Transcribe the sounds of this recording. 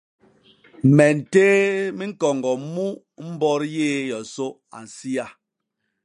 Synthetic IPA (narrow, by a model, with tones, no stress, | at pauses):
mɛ˨n̩˨teː˦mi˦ŋ̩˦kɔ˨ŋɡɔ˨mu˦ | m̩˦bɔ˦ɾjeː˦˨jɔ˨so˦ | a̰˨n̩˨si˦a˦